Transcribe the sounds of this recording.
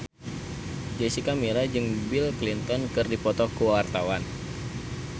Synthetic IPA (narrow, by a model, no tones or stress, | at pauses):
d͡ʒɛsikamiɾad͡ʒɨŋbilklint̪ɔnkɨrdipɔt̪ɔkuwawart̪awan